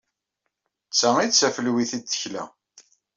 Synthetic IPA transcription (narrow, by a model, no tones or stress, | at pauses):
t͡sːæŋit͡sːæfəlwiθid̪θə̥çlæ̰